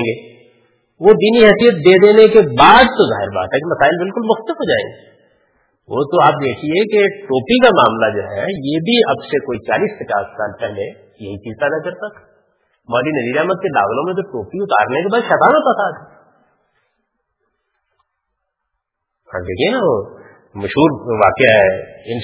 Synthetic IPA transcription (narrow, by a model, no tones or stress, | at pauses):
ɡeː | ʋod̪iːniɦɛːsijət̪̚d̪eːd̪eːnekebaːd̪̚t̪oza̰ːɦɪɾba̰ːt̪ɦɛkemɐsaːɪlbɪlkʊlmʊxt̪ɪfɦoːd͡ʒaːḛ̃ːŋɡeː | ʋo̰t̪oaːp̚d̪eːkʰiekeʈoːpikamaːmlad͡ʒo̰ːɦɛ̰jeːbʱiɐbsekoːit͡ʃa̰ːliːspɐt͡ʃa̰ːssa̰ːlpɛɦle | jɐɦit͡ʃiːzt̪anɐ̃kɐɾt̪ak̪ʰ | maːlinɐziːɾaːməd̪̚kela̰ːʋlõmẽt̪̬oʈoːpiʊt̪a̰ːɾnekebaːd̪ʃɛːt̪aːnok̪asaːt̪ɛ | hã̰ːd̪eːkʰienaʋoː | mɐʃɦuːɾʋaːkeɦɛɪn